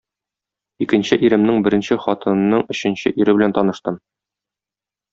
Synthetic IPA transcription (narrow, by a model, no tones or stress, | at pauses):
ikɘ̆nɕɘʔiɾɘ̆mnɘŋbɘ̆ɾɘ̆nɕɘχɒt̪ɤ̆nnːɤɴɵ̆ɕɘ̆nɕɘʔiɾɘbɘ̆lænt̪ɒnɤ̆ʃt̪ɤm